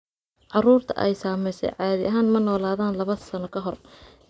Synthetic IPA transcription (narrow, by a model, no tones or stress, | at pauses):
ʕɑruːrt̪ʰɐ̰ʔɛ̰jsaːmɛjsɛ̰jʕɑːðɪʔɐɦaːnmɐnɔːlaːðaːnlɐβɐsɐnɔkʰɐɦɔr